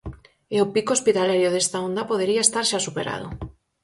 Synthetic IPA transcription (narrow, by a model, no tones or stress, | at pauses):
ɪopikospit̪alaɾjoðest̪aond̪apoð̞eɾiaest̪aɾʃasupeɾa̰ð̞ʊ̰